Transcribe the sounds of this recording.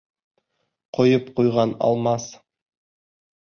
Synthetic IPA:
qʰŏjɤpqujʁɑnɑ̰lˠmɑs

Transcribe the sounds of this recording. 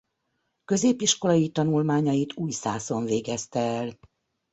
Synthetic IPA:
kø̞zeːpiʃko̞lɒjit̪ɒnulmaːɲɒjit̪ʰuːjsaːso̞ɱveːɡɛst̪ɛːl

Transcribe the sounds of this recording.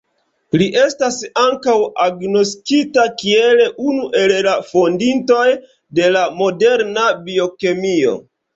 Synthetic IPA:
liʔe̞stasaŋkawaɡno̞skitakie̞leʔunuʔe̞llafo̞ndinto̞j | de̞lamo̞de̞ɾnabio̞ke̞mio̞̰

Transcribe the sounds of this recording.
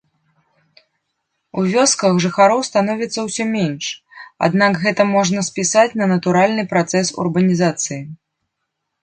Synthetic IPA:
uvʲɔskɐxʐɨxaɾɔwst̪anɔvʲit̪sːɐwsʲɔmʲɛnʂ | a̰d̪nakɣɛt̪ɐmɔʐnɐspʲisat͡sʲnɐnɐt̪uɾalʲnɨpɾat̪sɛsṵrbɐnʲizat̪sɨji

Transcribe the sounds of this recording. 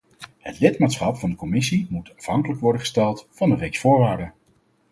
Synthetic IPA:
hətlɪtmaːtsχɑpfɑndəkɔmɪsimutɑfɦɑŋkələkʋɔɹdəχə̥stɛlˠtfɑndərejksfʊːɹʋaːɹdə

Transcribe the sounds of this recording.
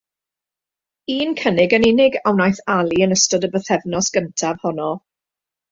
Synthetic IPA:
iːnkʰənɪɡənɪnɪɡawnajθalˠiənəstɔdəbəθɛvnɔsɡ̥əntʰav̥hɔnɔ

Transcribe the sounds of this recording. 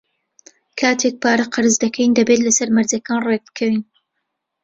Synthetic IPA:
kʰaːt̪ʰeːk̚paːɾɐqɨɾɨzd̪ɐkʰɛjnd̪ɐbeːt̪lɐsɐɾmɐɾzɐkaːnreɡ̚bɨ̥kʰɐwin

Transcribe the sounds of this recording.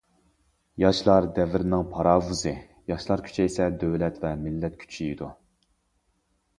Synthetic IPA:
jɑʃlˠɑɾd̪ɛvɪɾnɪŋpʰɑɾɑːvuzɨ | jɑʃlˠɑɾkʲʰy̥t͡ʃʰɛesɛd̪øwlɛt̪vɛmɪlːɛt̪̚kʲʰy̥t͡ʃʰiid̪u

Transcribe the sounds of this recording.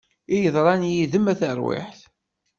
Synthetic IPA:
ijəðˤɾˤɑnjiðəmæθəɾwɪ̰ħθ

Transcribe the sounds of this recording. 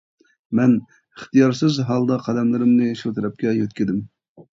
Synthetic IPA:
mɛn | əχt̪ijɑɾsɨzɦɑlˠd̪ɑqʰɑd̪ɛmlɪɾɪmnɨʃut̪ʰɛɾɛp̚kʲɛjøt̪̚kʲid̪ɪm

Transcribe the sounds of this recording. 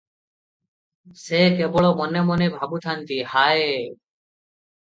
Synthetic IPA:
sekebɔɭomɔnemɔnebʱabut̪ʰant̪ihae

